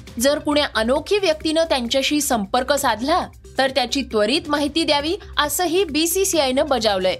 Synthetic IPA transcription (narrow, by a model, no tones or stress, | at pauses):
d͡zəɾkuɽjaʔənokʰiːʋjək̚t̪inəːt̪jaɲt͡ɕjaɕiːsəmpəɾkəsad̪ʱla | t̪əɾt̪jat͡ɕiːt̪ʋəɾiːt̪maɦit̪iːd̪jaʋiːəsəːɦiːbisisiajnəbəd͡zaʋləj